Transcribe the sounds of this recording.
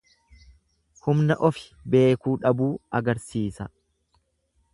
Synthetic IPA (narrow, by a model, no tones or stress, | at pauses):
hʊmnɐʔɔfɪ̥be̞ːkuːᶑɐbuːɐɡɐɾsiːsɐ